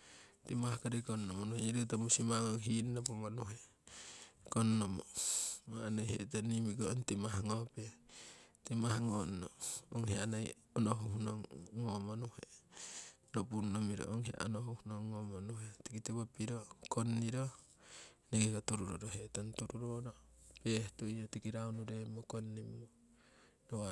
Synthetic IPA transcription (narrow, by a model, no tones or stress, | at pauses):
timahakaɾikonːomonuheɲiɾit̬amusimaŋoŋɦinnapomanuɦe | konːomomaanojhḛʔtanimiɡontimaɦaŋope | timahaŋonnooŋheanaj | onoɦuhunoŋːomonuhe | nopunːomiɾo̰ʔoŋhea̰ʔonohuhunoŋːomonuɦetikitiβopiɾokonːiɾo | neɡeɡatuɾuɾo̰ɾoɦetantuɾuɾoɾopehtuiotikiɾawnuɾemokonːimːo | noa